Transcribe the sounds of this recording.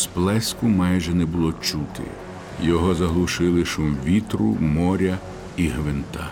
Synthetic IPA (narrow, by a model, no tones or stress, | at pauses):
splˠɛskʊmɑjʒɛnɛbʊlˠɔt͡ʃut̪ʰɪ̰ | jɔɦɔzɐɦlˠʊʃɪlˠɪʃʊmʋʲit̪ɾʊ̰mɔɾʲɐ | iɦʋɪnt̪a